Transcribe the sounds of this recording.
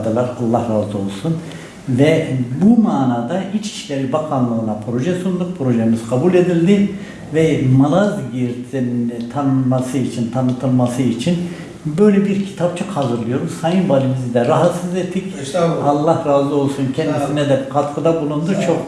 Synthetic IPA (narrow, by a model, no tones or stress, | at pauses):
d̪alˠaɾalˠːahɾaːzɯo̞lˠsun | vɛbumaːnaːd̪ahit͡ʃʰi̥ʃcʲeɾibakʰanlˠɯːnapʰɾo̞ʒɛsund̪uk̚pʰɾo̞ʒeimiz̥kʰabulʲe̞d̪ilʲd̪i | vɛmalˠazɟiɾt̪ʰint̪ʰanɯnmasɯit͡ʃʰint̪ʰanɯt̪ʰɯlˠmasɯit͡ʃʰin | bø̞jlʲɛbiɾcʰi̥t̪ʰap̚t͡ʃʰɯkhazɯɾlˠɯjo̞ɾumsajɯnbalʲimizd̪ɛɾaɦat̪sɯzet̪ʰːicalˠːahɾaːzˠio̞lˠsuncʰɛnd̪isinɛd̪ɛkʰat̪kʰɯd̪abulˠund̪ut͡ʃʰo̞k